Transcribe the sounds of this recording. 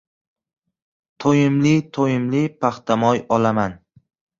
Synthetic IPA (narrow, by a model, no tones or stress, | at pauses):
t̪ʰojɪmlɪt̪ʰojɪmlɪpʰaχt̪ʰamɒjɒlaman